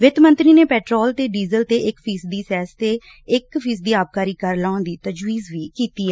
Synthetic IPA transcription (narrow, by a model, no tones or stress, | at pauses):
ʋɪt̪mə̃nt̪ɾiːneːpɛːʈɾoːlt̪eːɖiːzəlt̪eːʔɪkfʰiːsd̪iːsɛːst̪eː | ɪkfʰiːs̬d̪iːaːp̚kaːɾiːkəɾlãːʊ̃nd̪iːt̪əd͡ʒʋiːzʋiːkiːt̪iːɛː